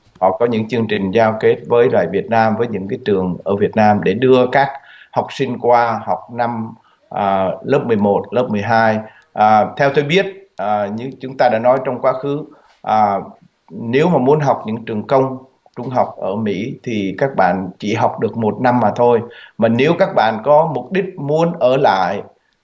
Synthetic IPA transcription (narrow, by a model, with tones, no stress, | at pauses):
hɔ̰˧˨kɔ˨˦ɲɨ̰˧˥ŋt͡ɕɨ˧əŋt͡ɕï˨˩ŋ̟zaː˧wke˦˥t̚vəː˨˦jlwa̰ː˧˨jvi˨˩ət̚naː˧mvəː˨˦jɲɨ̰˧˥ŋkaː˨˦jt͡ɕɨ˨˩əŋʔəː˧˩vi˨˩ət̚naː˧mɗe˧˩ɗɨ˧əkaː˦˥k̚ | ha˨˩wk͡p̚sï˧ŋ̟kwaː˧ha˨˩wk͡p̚na˧m | ʔːləː˦˥p̚mɨ˨˩əjmo˨˩t̚ləː˦˥p̚mɨ˨˩əjɦaː˧j | ʔaː˨˩t̪ʰɛ˧wt̪o˧jɓi˦˥ət̚ʔəː˨˩ɲɨ˧˥t͡ɕʊ˨˦ŋ͡mt̪aː˧ɗa̰ː˧˥nɔ˨˦jt͡ɕɔ˧wŋ͡mkwaː˨˦xɨ˨˦ | ʔəː˨˩ | ne˨˦wmaː˨˩mu˨˦ənɦa˨˩wk͡p̚ɲɨ̰˧˥t͡ɕɨ˨˩əŋkə˧wŋ͡m | t͡ɕʊ˧ŋ͡mɦa˨˩wk͡p̚ʔəː˧˩mḭ˧˥t̪ʰi˨˩kaː˦˥k̚ɓa̰ː˧˨nt͡ɕḭ˧˩ɦa˨˩wk͡p̚ɗɨ˨˩ək̚mo˨˩t̚na˧mːaː˨˩t̪ʰo˧jmaː˨˩ne˨˦wkaː˦˥k̚ɓa̰ː˧˨nkɔ˨˦mʊ˨˩k͡p̚ɗï˦˥k̚mu˨˦ənʔəː˧˩la̰ː˧˨j